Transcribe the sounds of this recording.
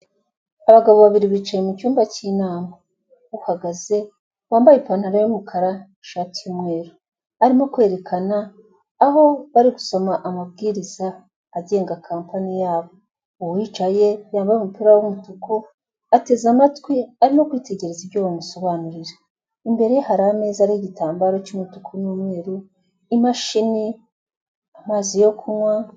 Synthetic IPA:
aβaɡaβo̞βaβiɾiβiːt͡ʃajemucuːmbacinaːma | uhaɡaze̞ | βaːmbajepaːn̥haɾajumukʰaɾa | ʃatijumŋe̞ːɾo | aɾimo̞kwe̞ːɾe̞kʰanaː | ɦo̞βaɾiɡusomaʔamab̚ɡiːɾizaː | ɟe̞ːŋɡakʰaːmpanijaːβo̞ | uwwit͡ʃaje̞jaːmbajumupiɾawumutuko̞ | ate̞zamatwiaɾimo̞kwiːte̞ɟe̞ɾe̞zibɟoːβamuso̞βanuɾiɾe | imbe̞ɾehaɾame̞ːzaɾiiɟitaːmbaɾot͡ʃumutukʰonumweːɾu | imaʃini | amaːzijo̞kʰumwa

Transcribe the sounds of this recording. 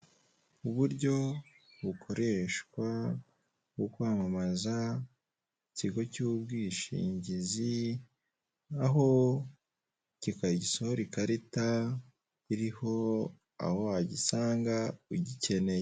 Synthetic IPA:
uβuɾɟo̞ | βukʰo̞ɾeʃkwa | wokwaːmamaza | iciɡo̞cuːbɡiːʃḭːɲɟizi | aɦo̞ | cikaɟiso̞hoɾikaɾita | iɾiho̞ | a̰ho̞waɟisaːŋɡauɟice̞ne̞je

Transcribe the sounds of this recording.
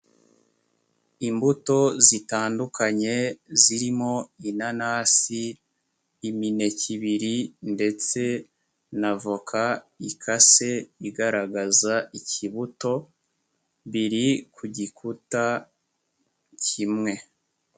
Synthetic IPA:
imbuto̞zitaːndukʰaɲe̞ziɾimo̞inanaːsi | imine̞ciβiɾinde̞t͡se̞ | navukʰaikʰase̞iɡaɾaɡazaiciβuto̞ | βiɾikʰuɟikʰuta | cʰimŋe̞

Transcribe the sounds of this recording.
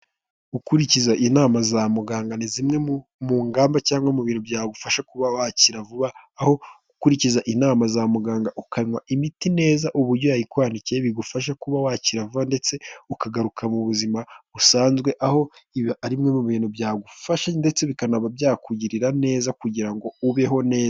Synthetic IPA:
ukuɾicizaʔinaːmazamuɡaːŋɡanizimŋe̞muːŋɡaːmbacaːŋɡwamuβiːnhubɟaːɡufaʃakuβawaciɾavuβaːho̞ukuɾicizaʔinaːmazamuɡaːŋɡaʔukaɲwaʔimitine̞ːzaʔuβuɾɟo̞jaɾikwaːnicieβiɡufaʃ̬akuβawaciɾavuβande̞t͡se̞ukaɡaɾukʰamuβuzimaβusaːnzɡwe̞ʔaho̞iaɾimŋe̞muβiːnubjaːɡufaʃande̞t͡se̞βikanaβabjaːkuɟiɾiɾane̞ːzakuɟiɾaŋɡo̞uβe̞ɦo̞ne̞ːza

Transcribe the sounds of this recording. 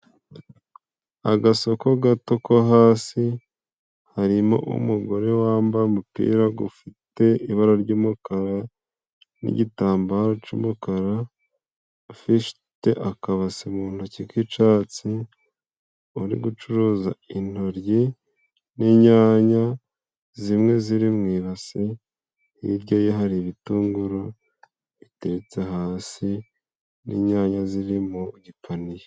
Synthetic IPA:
aɡaso̞ko̞ɡato̞koɦaːsi | haɾimo̰ʔṵmuɡo̞ɾe̞waːmbaumupḭːɾaɡufite̞iβaɾaɾɟuːmukaɾa | nḭɟitaːmbaɾot͡ʃṵːmukaɾa | fiʃ | te̞ʔakaβasimuːn̥hucikit͡ʃaːt͡si | oɾḭɡut͡ʃuɾuːzain̥ho̞ɾji | niɲaːɲa | zimŋe̞ziɾimŋiːɾasi | nḭɾɟojeɦaɾiβituːŋɡuɾo | βiteɾet͡se̞ɦaːsi | nḭɲaːɲaziɾimuɟipʰanije

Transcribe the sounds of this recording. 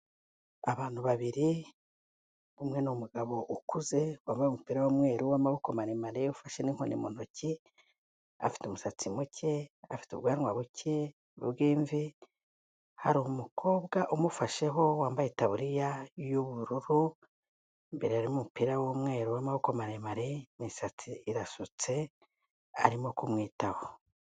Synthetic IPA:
aβaːn̥huβaβiɾi | βumŋe̞nomuɡaβo̞ʔukuze̞waːmbajomupiɾawomŋe̞ːɾuwaːmaβukomanimaɾeufaʃeniŋ̥honimun̥oci | a̰fi̥tumusat͡simucʰe̞afi̥tṵβɡaːnwaβuce̞ | βṵβɡiːɱvi | ha̰ɾumukʰo̞ːbɡaʔumufaʃe̞ɦo̞waːmbajetaβuɾijajuβuɾuɾu | mbe̞ɾeaɾimumupiɾawomŋe̞ːɾuwamaβukomaɾemaɾemisat͡siiɾasut͡se̞ | a̰ɾimo̞kumŋiːtaho

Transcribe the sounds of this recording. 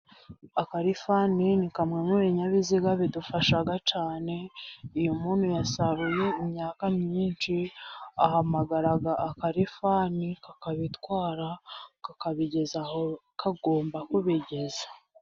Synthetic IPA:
akaɾifaninikamŋemuβeɲaβiziɡaβidufaʃaɡat͡ʃaːne̞ijumuːnhujasaɾuje̞imɲaːkamɲiːnt͡ʃiahamaɡaɾaɡaʔːkaɾifanikakaβitwaːɾakakaβiɟe̞zaho | kaɡo̞ːmbakuβiɟe̞za

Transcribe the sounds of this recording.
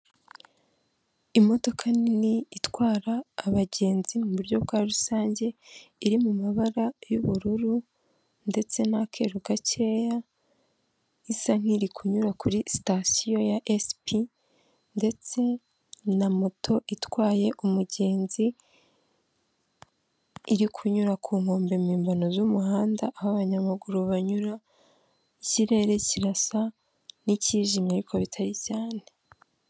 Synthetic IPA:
imo̞to̞kʰaniniitwaːɾaːβaɟe̞ːnzimuβuɾɟo̞βɡwaːɾusaːɲɟe̞iɾimumaβaɾajuβuɾuɾu | nde̞t͡se̞nakʰe̞ɾuɡaceja | isaŋ̥iɾikuɲuɾakuɾisi̥tasijo̞jaʔespi | nde̞t͡se̞ | namo̞tʰo̞ʔitwaːje̞ʔumuɟe̞ːnzi | ɾikʰuɲuɾakʰuːŋ̥ho̞ːmbemiːmbano̞zumuɦaːndaʔːhaβaɲamaɡuɾoβaɲuɾa | iciɾe̞ɾe̞ciɾasa | niciʒimaɾikʰo̞βitʰaɾicaːne̞

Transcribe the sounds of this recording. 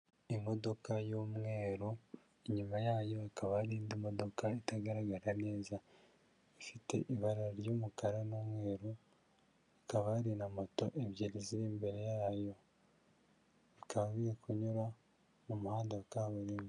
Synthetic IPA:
imo̞do̞kajomŋe̞ːɾo | eɲumajaːjo̞akaβaaɾiːndimo̞do̞kaitaɡaɾaɡaɾane̞ːza | ifite̞̰ʔiβaɾaɾjoːmukaɾanomŋe̞ːɾo | akaβaːɾinamato̞ʔeβjeɾiziɾiːmbe̞ɾe̞jaːjo̞ | βikaββijekuɲuɾa | mumuhaːndaakaːβuɾiːmi

